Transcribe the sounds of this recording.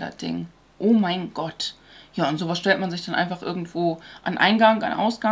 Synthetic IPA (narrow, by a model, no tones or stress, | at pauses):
a̰d̥ɪ̰ŋ | ʔoːmaɪnɡ̥ɔt | jaːʊntz̥oːvasʃtɛltmanzɪçd̥anʔa̰ɪnfaχʔɪ̰ɐɡŋ̩tv̥oːʔanʔa̰ɪnɡaŋa̰nʔa̰ʊsɡ̥a